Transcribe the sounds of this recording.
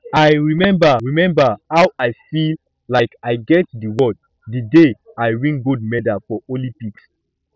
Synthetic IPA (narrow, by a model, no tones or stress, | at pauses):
ajɹimɛ̃mbaɹimɛ̃mbahawajfil | laɪkaɪɡɛt̚dəwɔd̚ | dəde | ajɹĩŋɡud̚mɛdafɔʔolĩmpiks